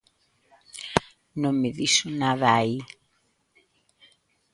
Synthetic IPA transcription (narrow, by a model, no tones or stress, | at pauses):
nõŋmɪðisonaðaai